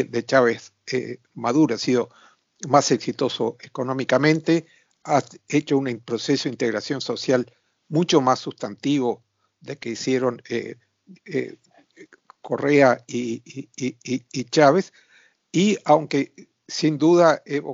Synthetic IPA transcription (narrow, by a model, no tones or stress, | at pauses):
ðet͡ʃaβesḛ | maðuɾoasiðo̞ | mase̞ksit̪o̞soeko̞nõmikamẽnt̪e | aet͡ʃounpɾo̞se̞soint̪eɣɾasjo̞nso̞sjal | mũt͡ʃo̞masːust̪ant̪iβo̞ | ðekeisjeɾo̞nḛ | ko̞reai | iːt͡ʃaβes | iawŋke | sind̪uðaeβo